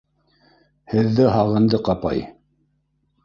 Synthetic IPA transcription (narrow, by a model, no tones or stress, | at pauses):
hɘ̆ðːɘɦɑʁɤ̆nd̪ɤqɑpɑ̰j